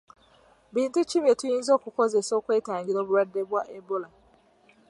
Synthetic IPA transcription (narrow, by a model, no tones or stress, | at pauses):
biːntit͡ʃiβjetujĩːnzokukozesokwe̞ːtaːɲɟiɾoβuɾadːebwaʔebola